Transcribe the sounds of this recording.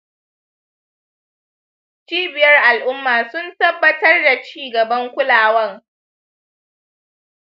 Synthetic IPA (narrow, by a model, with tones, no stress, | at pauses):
t͡ʃiː˦bɪ˨jɐ˦rʔa˨lʔʊ˦mːaː˨sʊ˦ntɐ˦bːɐ˦tɐ˦rda˨t͡ʃiː˦ɡɐ˨bɐ˦ŋkʷʊ˦laː˨wɐ˦ŋ